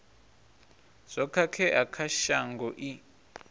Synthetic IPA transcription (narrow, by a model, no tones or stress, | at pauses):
z̥ʷɔkʰakʰɛʔakʰaʃaŋɡɔʔi